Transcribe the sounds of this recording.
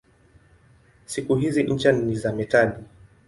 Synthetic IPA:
sikuɦiziɲ̩t͡ʃanizamɛtali

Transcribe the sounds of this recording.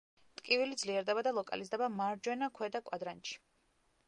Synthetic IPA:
t̪ʼkʼivilid̪zliɛɾd̪ɛbad̪alˠɔkʼa̰lizd̪ɛbamaɾd͡ʒwɛnakʰwɛd̪akʼwad̪ɾant͡ʃi̥

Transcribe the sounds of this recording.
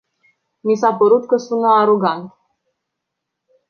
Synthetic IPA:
nisapəɾut̪kəsunəːɾoɡant̪

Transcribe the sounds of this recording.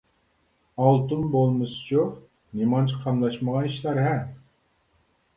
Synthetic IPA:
ɑlˠt̪unbolˠmɨsɨ̥t͡ʃʰu | nemɑnt͡ʃʰiqʰɑmlˠɑʃməʁɑniʃlæɾɦɛm

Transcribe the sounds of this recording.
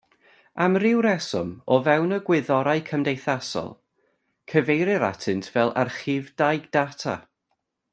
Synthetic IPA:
amrɪwɾɛsɔmɔvɛwnəɡwɪðɔɾajkʰəmdejθasɔ̰lˠ | kʰəvejɾɪɾa̰tʰɨntʰvɛlˠa̰rχɪvdajɡd̥atʰa̰

